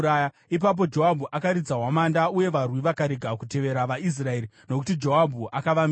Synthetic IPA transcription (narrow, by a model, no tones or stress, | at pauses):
aja | ip̬ap̬o̞d͡ʒo̞ɦabʱuʔakaɾid͡zaɦwamandauje̞ʋarwiʋakaɾeɡʱakute̞ʋe̞ɾaʋais̬rae̞ːɾi | no̞kutid͡ʒo̞ɦabʱuʔakaʋam